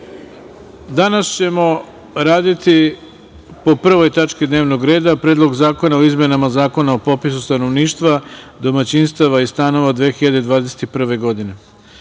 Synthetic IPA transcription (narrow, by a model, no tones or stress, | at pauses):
d̪anast͡ɕe̞mo̞ | ɾaːd̪it̪i | po̞pr̩ʋo̞jt̪at͡ʃkid̪neːʋnoɡɾe̞ːd̪apɾed̪lˠoɡzaːko̞naoizmje̞namazaːko̞naopo̞pisust̪ano̞ʋniːʃt̪ʋa | d̪o̞mat͡ɕinst̪aʋaist̪ano̞ʋad̪ʋeːxiʎad̪ed̪ʋaːd̪e̞set̪ipr̩ʋe̞ɡo̞d̪ine̞